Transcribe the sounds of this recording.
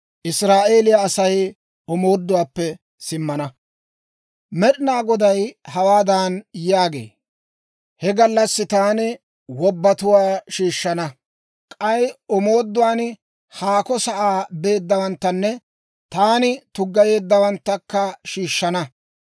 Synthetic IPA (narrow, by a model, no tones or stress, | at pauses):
ʔɪsɾaːʔe̞ːlɪjaːsɐj | ɔmo̞ːd̪ːʊwaːpːɛ | sɪmːɐnɐ | mɛɗɪnaːɡɔd̪ɐjhɐwaːd̪aːnjaːɡḛː | hɛɡɐlːɐsːɪt̪aːnɪ | wɔbːɐt̪ʊwaːʃiːʃːɐnɐ | kʼɐjɔmoːd̪ːʊwaːn | haːkɔsɐʔaːbe̞ːd̪ːɐwɐnt̪ːɐnːɛ | t̪aːnɪt̪ʊɡːɐje̞ːd̪ːɐwɐnt̪ːɐkːɐʃiːʃːɐnɐ